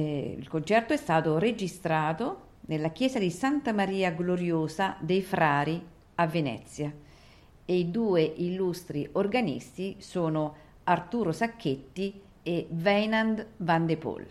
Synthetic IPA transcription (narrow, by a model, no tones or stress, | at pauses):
ḭlkont͡ʃɛrt̪oɛst̪aːt̪oɾed͡ʒist̪ɾaːt̪o | nelːak̟jɛːsad̪isant̪amaɾiːaɡloɾjoːsad̪ejfɾaːɾi | avːenɛ̰t̪sːja | eid̪uːeʔilːust̪ɾiʔorɡanḭst̪isoːno | art̪uːɾosakʰːet̪ːi | evɛjnand̪vand̪epo̰l